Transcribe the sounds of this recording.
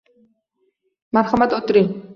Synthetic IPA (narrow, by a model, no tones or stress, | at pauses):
maɾχamat̪ʼɔt̪ʼɾi